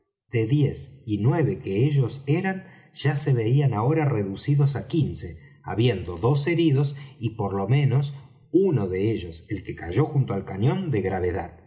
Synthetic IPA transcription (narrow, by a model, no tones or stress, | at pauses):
d̪̥e̞ðje̞sinwe̞βe̞keeʒo̞se̞ɾan | ʒ̥ase̞βeianao̞ɾare̞ðusiðo̞sakinse̞ | a̰βje̞nd̪oðo̞s̬e̞ɾiðo̞sipo̞ɾlo̞mẽ̞no̞s | uno̞ðe̞eʒo̞se̞lke̞kaʒo̞xunt̪oalkanjõ̞nd̪e̞ɣɾaβ̞e̞ða̰ð